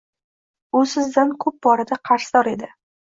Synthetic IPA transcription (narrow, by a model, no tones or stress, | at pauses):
ʊsɪzd̪ankʰɵp̚bɒɾad̪aqʰɑɾsd̪ɒɾe̞d̪ɪ